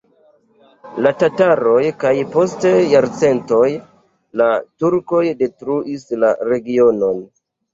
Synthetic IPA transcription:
latataɾo̞jkajpo̞stejaɾt͡se̞nto̞j | latuɾko̞jde̞tɾuʔisla̰ɾe̞ɡio̞no̞n

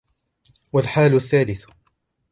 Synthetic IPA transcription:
walħaːlʊθːaːlɪθ

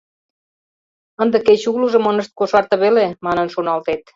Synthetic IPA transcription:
ənd̪eket͡ɕuɣluʒə̆mə̆nə̆ʃt̪̚koʃɑrt̪ɤ̆βelemɑnənʃonɑlt̪et̪̚

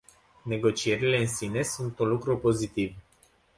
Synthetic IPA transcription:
ne̞ɡo̞t͡ʃie̞ɾile̞ɨnsine̞sunt̪unlukɾupo̞zit̪iv

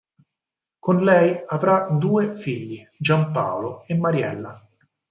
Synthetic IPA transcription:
konlɛjavɾad̪uːefiʎːi | d͡ʒampaːwloemːaɾjɛ̰lːa

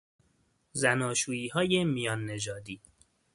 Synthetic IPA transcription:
zænɒːʃuːiːhɒːje̞mijɒːnːe̞d͡ʒɒːd̪iː

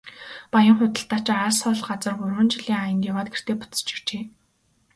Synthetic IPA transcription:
pajə̆ŋχʊt̪ə̆ɬt̪aːt͡ɕaɾaːsɔɮɢat͡sə̆rɢʊrwə̆nt͡ɕɪɮiːŋajə̆nt̪jawaːt̪ɡer̥t̪eːpʊ̥t͡sə̥̆t͡ɕɪ̥̆kt͡ɕeː

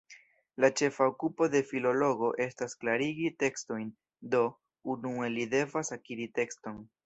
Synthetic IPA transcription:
lat͡ʃe̞faokupo̞de̞filo̞lo̞ɡo̞ʔe̞stasklaɾiɡite̞ksto̞jn | do̞ | unue̞lide̞vasakiɾite̞ksto̞n

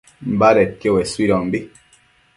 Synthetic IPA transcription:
m̩baɾɛtjowɛswiɾɔm̩bi

